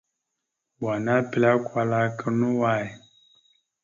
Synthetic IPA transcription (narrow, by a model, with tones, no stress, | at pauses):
ba˨na˦pi˨la˦kwa˧la˦kə˦nu˦wa˦˨i˨